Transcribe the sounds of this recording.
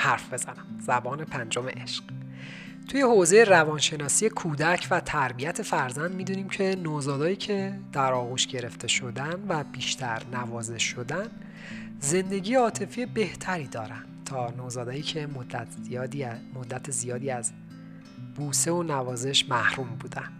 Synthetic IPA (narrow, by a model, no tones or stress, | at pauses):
hæɾfb̥e̞z̥ænæmz̥æbɒːne̞pʰænd͡ʒo̞meʔeʃɢ̥ | t̪ʰuje̞hozejerævɒːnʃe̞nɒːsijekʰuːd̪æcʰvæt̪ʰæɾbijæt̪ʰe̞fæɾzænd̪miːd̪uːniːmcʰe̞noːzɒːd̪ɒːjiːcʰe̞d̪̥æɾɒːɣuːʃɟe̞ɾe̞ft̪ʰe̞ʃo̞d̪ænvæbiːʃt̪ʰæɾnævɒːze̞ʃo̞d̪æn | ze̞nd̪e̞ɟiːjeɒːt̪ʰe̞fijebe̞ht̪ʰæɾiːd̪ɒːɾænd̪t̪ʰɒːnoːzɒːd̪ɒːjiːcʰe̞m | mod̪ːæt̪ʰezijɒːd̪iːæz | b̥uːse̞onævɒːze̞ʃmæhɾuːmbuːd̪æn̥